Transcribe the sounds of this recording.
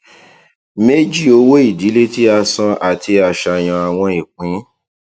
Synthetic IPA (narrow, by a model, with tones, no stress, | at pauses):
me˦d͡ʒi˦o˧wo˦i˦˨di˨˦le˦ti˦a˧sɔ̃˧ʔa˨tʰi˧a˨ʃa˧j̃ɔ̃˧a˨w̃ɔ̃˧i˨k͡pĩ˨˦